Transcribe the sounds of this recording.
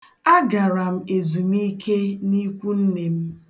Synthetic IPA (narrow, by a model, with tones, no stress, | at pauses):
a˦ɡa˨ɾa˨m̩˦e˨zu˨mi˦kʰe˦ni˦kʷu˦n̩˦ne˨m̩˦